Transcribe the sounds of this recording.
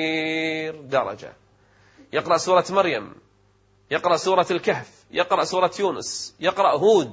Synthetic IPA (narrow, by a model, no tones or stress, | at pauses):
ɾd̪ɑɾˤɑ̰d͡ʒa̰ | jɪqɾˤɑʔsuːɾˤɑmɑɾja̰m | jɪqɾˤɑʔsuːɾˤɑlkahf | jɪqɾˤɑʔsuːɾˤɑjuːnʊ̰sjɪqɾˤɑʔɦuːd̪